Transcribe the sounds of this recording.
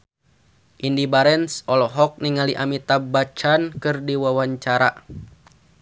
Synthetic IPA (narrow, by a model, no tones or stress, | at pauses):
ʔindibaɾɛnsɔlɔɦɔk̚niŋaliʔamit̪abat͡ʃankɨrdiwawaɲt͡ʃaɾa